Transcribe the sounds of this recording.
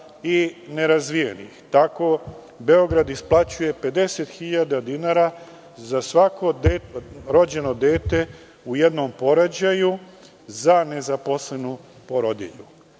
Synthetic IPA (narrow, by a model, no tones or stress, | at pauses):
ine̞ɾazʋijḛnḭxt̪ako̞ | be̞o̞ɡɾad̪isplˠat͡ɕuje̞pe̞d̪e̞set̪xiʎad̪ad̪inaɾa | zasʋakod̪ɾo̞d͡ʑe̞no̞d̪e̞ːt̪e̞ | ujed̪no̞mpo̞ɾad͡ʑaju | zane̞zapo̞sle̞nu | po̞ɾod̪ḭʎu